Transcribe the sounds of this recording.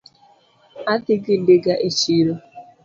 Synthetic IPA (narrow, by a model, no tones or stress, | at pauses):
adɪɡɪdɪɡaʔet͡ʃiɾo